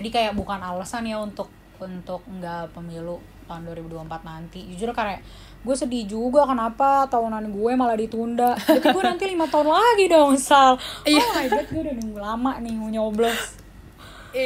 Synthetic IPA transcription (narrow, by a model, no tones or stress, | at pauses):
d͡ʒadikajaʔ̚bukanalasanjaunt̪ʊk̚ | unt̪ʊk̚ŋɡapəmilu | t̪aunduaɾibuduaəmpat̪̚nant̪id͡ʒit͡ʃuɾʊkaɾaʔ | ɡuɛsədid͡ʒuɡakənapat̪aunanɡuɛmaladit̪undaʔapiɡuanant̪ilimat̪aunlaɡidauŋsalabɛt̪̚ɡuɛdaniɡulamaʔnɪhɲoblɛs